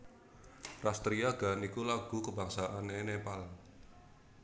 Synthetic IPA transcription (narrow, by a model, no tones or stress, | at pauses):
rast̪ɾiaɡ̥anikulaɡ̥ṳkəbaŋsaʔanenepal